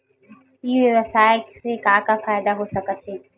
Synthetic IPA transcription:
jiːʋjəʋəsaːjeksekãːkafaːjd̪aɦosɐkət̪ɦeː

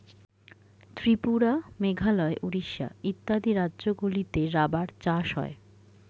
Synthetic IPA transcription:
t̪ɾipuɾameɡʱalɔeʔuɾiʃːa̰it̪ːad̪iɾadːʑoɡulit̪eɾabaɾt͡ɕaʃɦɔ̰e

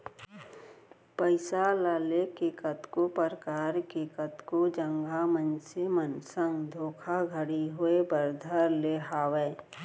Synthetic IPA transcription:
pəɪsalaːlekeːkət̪kopəɾəkaːɾkeːkət̪kod͡ʒə̃ŋɡʱamənsemənsə̃ŋɡd̪ʱoːkʰaɡʱəɽiɦʊebəɾd̪ʱəɾleɦaːweː

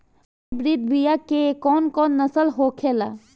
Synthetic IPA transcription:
bɾid̪̚bijakekɔːnkɔːnːəsəlɦoːkʰeːla

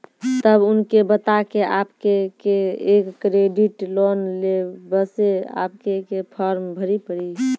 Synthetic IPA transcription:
t̪əbʊnkebət̪akeʔapkekeekːɾeɖiʈlonlebəsea̰p̚kekepʰəɾmbʱəɾipəɽi

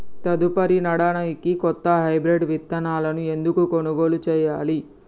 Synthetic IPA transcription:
t̪ɐd̪upɐɾinɐɽɐnɐjkikɔt̪ːɐɦɐjbɾeɖʋit̪ːɐnaːlɐnue̞nd̪ukukonuɡoːlut͡ʃɛːjaːli

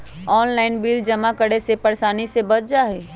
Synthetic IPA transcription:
ɔːnlaːɪnbiːld͡ʒɐmakəɽesepɐɽsaːnisebɐt͡ʃd͡ʒaːɦeː

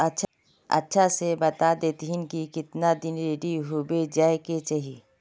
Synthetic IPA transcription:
ɐtːʃʰ | ɐ̰tːʃʰasebɐt̪ad̪eːt̪ɦinkikɪt̪nad̪ɪnɾeːɖiɦubed͡ʒaːeket͡ʃaɦi

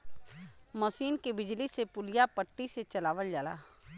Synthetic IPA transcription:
mɐsiːnkebɪd͡ʒlisepʊlijapəʈːiset͡ʃɐlaːʋəld͡ʒaːla̰ː

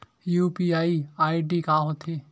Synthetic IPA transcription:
juːpiaːiaːiɖikaːɦot̪ʰe

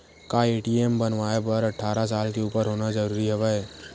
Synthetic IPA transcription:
kaeːʈiːembɐnʋaːepɐɾɐʈʰːaːɾasaːlkeuːpəɾɦoːnazɐɾuːɾiɦɛʋɛɛː

